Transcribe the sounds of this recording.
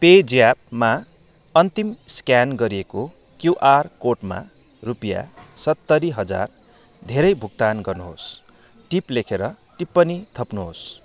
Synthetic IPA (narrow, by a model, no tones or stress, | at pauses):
ped͡zijab̚ma | ʌnt̪imskjanɡʌɾieko | kjuʔarkoʈma̰ | rupija̰sʌt̪ːʌɾiɦʌd͡za̰r | d̪ʱeɾʌjbʱuk̚t̪anɡʌrnuɦo̰s | ʈiplekʰeɾʌ | ʈipːʌnit̪ʰʌpnuɦos